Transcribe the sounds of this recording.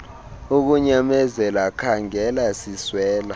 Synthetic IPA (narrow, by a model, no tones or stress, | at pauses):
uk̬uɲamɛzɛlakʰaŋɛlasiswɛːla